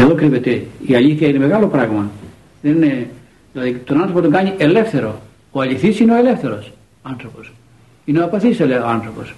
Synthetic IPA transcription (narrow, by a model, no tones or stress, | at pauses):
eðo̞kɾivet̪eiaʎiθjçɐineme̞ɣalo̞pɾaɣmɐ | ðenine | ðilɐðit̪onanθɾopot̪oŋkɐɲiʔe̞lefθe̞ɾo̞ | oɐʎiθisineoele̞fθe̞ɾo̞s | ɐnθɾopo̞s | ineoɐpaθiseleanθɾo̞po̞s